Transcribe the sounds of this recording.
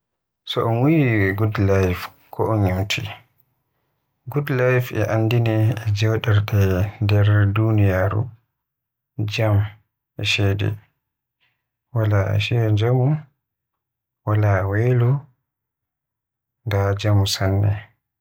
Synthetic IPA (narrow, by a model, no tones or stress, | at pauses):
sɔʔɔnwijiɡudlajf | kʰɔʔɔɲimtʰḭ | ɡudlajfʔɛ̰ʔanːdinɛːd͡ʒɛwɗɛɾɗɛndɛɾdunijaɾṵ | d͡ʒam | ʔɛʃɛdɛ̰ | walaɛ̰ʃɛd͡ʒamu | walawɛlɔ | dad͡ʒamsanːɛ̰